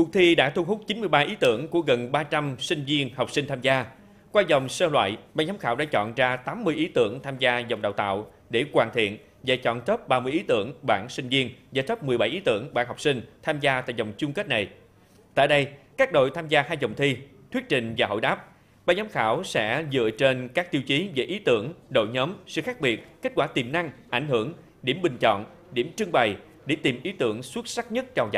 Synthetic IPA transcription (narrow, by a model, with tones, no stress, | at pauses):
ku˨˩t̪ʰi˧ɗa̰ː˧˥t̪ʰu˧ŋ͡mɦʊ˦˥k͡p̚t͡ɕi˨˦nmɨ˧əjɓaː˧ʔi˨˦t̪ɨ̰˧˩˥əŋku˧˩əɣə˨˩nɓaː˧t͡ɕa˧msï˧ŋ̟vi˧ənha˨˩wk͡p̚si˧ŋ̟t̪ʰaː˧mzaː˧ | kwaː˧zə˨˩wŋ͡msəː˧lwa̰ː˧˨jɓaː˧˩ɲa˨˦mŋ͡mxaː˧˥wɗa̰ː˧˥t͡ɕɔ̰˧˨nzaː˧t̪aː˨˦mːɨ˧əjʔi˨˦t̪ɨ˧˩əŋt̪ʰaː˧mzaː˧zə˨˩wŋ͡mɗa̰ː˧˨wt̪a̰ː˧˨w | ɗe˧˩kwaː˨˩nt̪ʰḭ˧˨ən | vaː˨˩t͡ɕɔ̰˧˨nt̪ə˦˥p̚ɓaː˧mɨ˧əʔi˨˦t̪ɨ˧˩əŋɓa̰ː˧˩nsï˧ŋ̟vi˧ənzaː˨˩t̪ə˦˥p̚mɨ˨˩əjɓa˧˩jʔi˨˦t̪ɨ̰˧˩əŋɓa̰ː˧˩nha˨˩k͡p̚sï˧ŋ̟t̪ʰaː˧mzaː˧t̪a̰ː˧˨jzə˨˩wŋ͡mt͡ɕʊ˧ŋ͡mkə˦˥t̚na˨˩j | t̪a̰ː˧˨jɗə˧jkaː˦˥k̚ɗo̰˧˨jt̪ʰaː˧mzaː˧haː˧jzə˨˩wŋ͡mt̪ʰi˧t̪wi˦˥ət̚t͡ɕï˨˩ŋ̟vaː˨˩ɦo̰˧˨jɗaː˦˥p̚ | ɓaː˧˩ɲɔ˨˦mxaː˧˩wsɛ̰˧˥zɨ̰˧˨ət͡ɕe˧nkaː˦˥k̚t̪i˧əwt͡ɕi˨˦ve˧˩ʔi˨˦t̪ɨ̰˧˩əŋɗo̰˧˨jɲɔː˨˦msɨ̰˧˨xaː˦˥k̚ɓi˨˩ət̚ke˦˥t̚kwaː˧˩t̪i˨˩mna˧ŋʔa˧˩jŋ̟ɦɨ˧˩əŋ | ɗi˧˩əmɓï˨˩ŋ̟t͡ɕɔ̰˧˨n | ɗi˧˩əmt͡ɕɨ˧əŋɓa˨˩j | ɗe˧˩t̪i˨˩mʔi˨˦t̪ɨ˧˩əŋswə˦˥t̚sa˦˥k̚ɲə˦˥t̚t͡ɕɔ˧wza̰˧˨